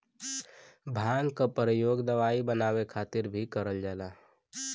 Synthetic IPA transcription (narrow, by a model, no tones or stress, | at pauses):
bʱaːnkapɾəjoːɡd̪əʋaːibənaːwekʰaːt̪ɪɾbʱikəɾəld͡ʒaːla